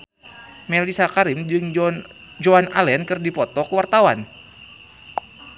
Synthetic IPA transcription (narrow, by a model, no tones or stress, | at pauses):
mɛlisakaɾimd͡ʒɨŋ | d͡ʒoana̰lɛnkɨrdipɔt̪ɔkuwart̪awan